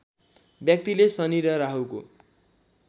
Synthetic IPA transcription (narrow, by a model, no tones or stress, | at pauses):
bjʌk̚t̪ilesʌniɾʌɾaɦuko̰